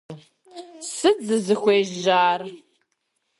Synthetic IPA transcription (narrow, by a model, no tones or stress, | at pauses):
sɨd͡zɨzɨxʷeːʒʒaːr